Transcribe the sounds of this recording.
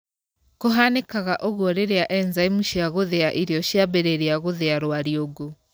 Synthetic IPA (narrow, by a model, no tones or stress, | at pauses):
koɦanekaɣaʔoɣwɔɾeɾeaʔɛnzaimuʃiaɣoðeaʔiɾeɔɕiabeɾeɾeaɣoðeaɾwaɾeoɡo